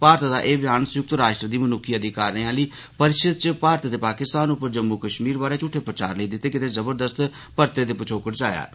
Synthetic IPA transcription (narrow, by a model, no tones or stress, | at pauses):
paːɾt̪d̪aːʔeːbɪjaːnsʊjʊk̚t̪ɾaːʃʈɾəd̪iːmənʊkʰːiːəd̪iːkaːɾneːãːləiː | pəɾɪʃəd̪̚t͡ʃəpaːɾt̪t̪eːpaːkɪst̪aːnʊpːəɾd͡ʒəmːuːkəʃmiːɾbaːɾeːt͡ʃʊʈʰːeːpɾət͡ʃa̰ːɾləiːd̪ɪt̪ːeːkɪt̪eːzəbəɾd̪əst̪ | pəɾt̪eːd̪eːpət͡ʃʰoːkəʈd͡ʒaːja̰ː